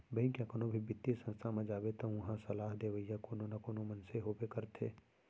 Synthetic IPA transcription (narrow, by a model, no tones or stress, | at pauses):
bəĩkjãːkonobʱibɪt̪ːisə̃nst̪ʰamẽd͡ʒaːbet̪ɐ̃ɐɦãsɐlaːɦd̪eːʋəijakoːnonɐkoːnomənseɦoːbekɐɾt̪ʰḛː